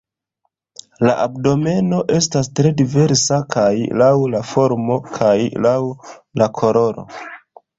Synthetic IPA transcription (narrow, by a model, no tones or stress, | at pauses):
laʔab̚do̞me̞no̞ʔe̞stastɾe̞dive̞ɾsakʰajlawlafo̞ɾmo̞kʰajlawlakʰo̞ɾo̞ɾo̞̰